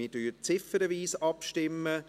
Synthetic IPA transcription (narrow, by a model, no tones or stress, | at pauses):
ɪːtyːt͡sɪfəɾəʋiːsɑpʃtɪmːə